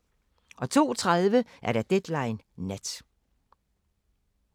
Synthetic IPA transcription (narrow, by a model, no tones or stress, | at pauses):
ʔɒ̽t͡sʰo̝̰ːt͡sʰʁaðˠʋəʔæɐɾ̥æ̈d̥ed̥lɑ̈ɪnː | æd̥